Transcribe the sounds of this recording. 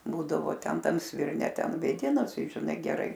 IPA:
ˈbuːdɐʋoː ˈtʲɛn ˈtɐm sʲʋʲɪrʲˈnʲɛ ˈtʲɛn ʋʲeːˈdʲɪnɐs ˈtɐɪ ʒʲɪˈnɐɪ ɡʲɛˈrɐɪ

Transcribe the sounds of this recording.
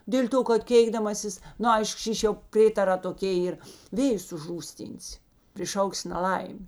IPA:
ˈdʲeːlʲ ˌtoː kɐt ˈkʲeːɪɡdɐmɐsʲɪs ˈnʊ ˈɐɪʃk ˈʃʲiːʃʲ jɛʊ ˈpʲrʲeːtɐrɑː toːˈkʲeː ˈiːr ˈʋʲeːjʊs ʊʒˈruːsʲˌtʲiːnʲsʲɪ pʲrʲɪˈʃɐʊksʲɪ nɐˈlˠɐɪmʲ

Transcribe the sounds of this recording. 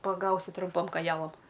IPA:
pɐˈɡɐʊsʲɪ trʊmˈpoːm koːˈjæːlˠɐm

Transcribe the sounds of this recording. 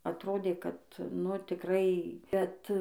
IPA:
ɐtˈroːdʲeː kɐt ˈnʊ tʲɪkˈrɐɪ ˈbʲɛt

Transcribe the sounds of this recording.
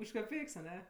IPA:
ʊʃ kɐˈpʲɛɪks ɐˈnʲɛ

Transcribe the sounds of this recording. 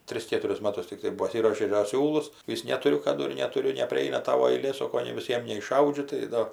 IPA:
ˈtʲrʲɪs ˈkʲeːtʊrʲɪs ˈmɑːtʊs tʲɪkˈtɐɪ pɐˈsʲɪruɔʃʲeː dɐ ˈsʲuːlˠʊs ˈʋʲɪs nʲɛtʊˈrʲʊ kɐˈdʊ ɪr nʲɛtʊˈrʲʊ nʲɛpʲrʲɪˈɐɪnɐ ˈtɑːʋoː ɐɪˈlʲeː ˈsoːkoː nʲɛɪ ʋʲɪˈsʲiɛm nʲɛɪʃˈɐʊd͡ʒʲʊ tɐɪ ˈdoː

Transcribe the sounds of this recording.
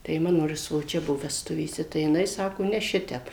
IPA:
tɐɪ ˈmɑːnoː ɪr sʋoːˈt͡ʃʲɛ ˈbʊʋoː ʋʲɛsˈtʊʋʲeːsʲɛ tɐɪ jɪˈnɐɪ ˈsɑːkoː nʲɛ ˈʃʲɪtʲɛp

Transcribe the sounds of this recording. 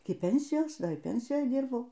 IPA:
ˈɪkʲɪ ˈpʲɛnʲsʲɪjoːs ˈdɐr ɪr ˈpʲɛnʲsʲɪjoːj ˈdʲɪrbɐʊ

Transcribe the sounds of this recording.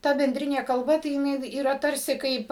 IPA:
ˈtɐ bʲɛnʲˈdʲrʲɪnʲeː kɐlˠˈbɐ tɐɪ jɪˈnɐɪ iːˈrɐ ˈtɐrʲsʲɪ ˈkɐɪp

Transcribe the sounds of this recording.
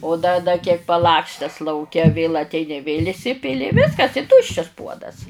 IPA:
oː dɐ dɐ kʲiɛk pɐˈlˠɑːksʲtʲɛs lˠɐʊˈkʲɛ ʋʲeːlˠ ɐtʲˈɛɪnʲɪ ʋʲeːlʲ ɪˈsʲɪpʲɪlʲɪ ɪ ˈʋʲɪskɐs ɪ ˈtʊʃʲt͡ʃʲɛs ˈpuɔdɐs

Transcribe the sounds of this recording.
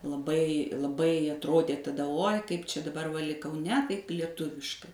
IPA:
lˠɐˈbɐɪ lˠɐˈbɐɪ ɐtˈroːdʲeː tɐˈdɐ oːj kɐɪp ˈt͡ʃʲɛ dɐˈbɐr ʋɐ lʲɪk kɐʊˈnʲɛ ˈtɐɪp lʲiɛˈtʊʋʲɪʃkɐɪ

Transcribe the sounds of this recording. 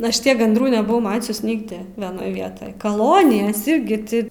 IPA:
ˈɐʃ ˈtʲiɛk ɡɐndˈruː nʲɛbʊˈʋɐʊ ˈmɑːt͡ʃʲʊs ˈnʲɪɡdʲɪ ʋʲiɛˈnoːj ˈʋʲiɛtoːj kɐˈlˠoːnʲɪjɛs ˈɪrʲɡʲɪ tʲɪ

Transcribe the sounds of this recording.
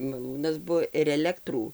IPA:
mɐˈlˠuːnɐs ˈbʊʋoː ɪr ɛˈlʲæːktruː

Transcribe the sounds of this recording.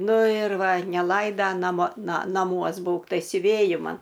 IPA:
ˈnʊ ɪr ˈʋɐ nʲɛˈlˠɐɪdɐ nɐˈmoː ˈnɐ nɐˈmuɔs ˈbuːk tɐɪ sʲʊˈʋʲeːjɪ ˈmɐn

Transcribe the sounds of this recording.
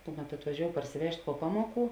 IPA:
ˈkʊˌmʲɛt ɐtʋɐˈʒʲoːʊ pɐrʲsʲɪˈʋʲɛʃʲtʲ puɔ ˈpɑːmuɔˌkuː

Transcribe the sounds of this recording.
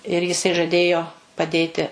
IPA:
ɪr jɪˈsɐɪ ʒɐˈdʲeːjoː pɐˈdʲeːtʲɪ

